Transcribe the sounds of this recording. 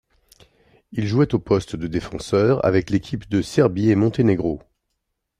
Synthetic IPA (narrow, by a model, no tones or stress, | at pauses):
ilʒuɛt̪opɔst̪d̪əd̪efɑ̃sœʁa̰vɛklekʲʰipd̪əsɛʁbiemɔ̃t̪eneɡʁo